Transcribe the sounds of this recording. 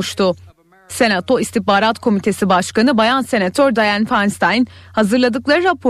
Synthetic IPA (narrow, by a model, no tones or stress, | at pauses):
ʃt̪ʰʊ | se̞nat̪ʰo̞ist̪ihbaːɾat̪kʰo̞mit̪ʰe̞sibaʃkanɯbajanse̞nat̪ʰøɾd̪ajanfanst̪ʰajnhazɯɾlˠad̪ɯklˠaɾɯɾapʰo